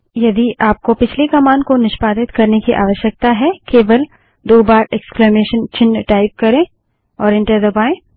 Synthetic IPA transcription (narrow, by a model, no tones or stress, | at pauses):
jɐd̪iʔaːp̚kopɪt͡ʃʰlekɐmaːnkonɪʃpaːd̪ɪt̪kɐɾnekiʔa̰ːʋəʃjək̚t̪aɦɛkeːʋəl | d̪oːbaːɾɛːkskleːmeːʃənt͡ʃɪ̃nːʈaːɪp̚kɐɾẽː | ɔːɾɪ̃ɳʈəɾd̪ɐbaːẽː